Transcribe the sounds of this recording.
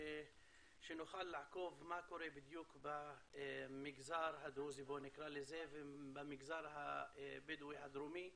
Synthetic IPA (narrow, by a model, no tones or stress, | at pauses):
ʃenoxalːaʕkovmakoɾebɪd̪juːkba | mɪɡzaːɾɦad̪ɾuzibonɪkɾalezevebamɪɡzaɾɦabɪd̪wihad̪ɾumi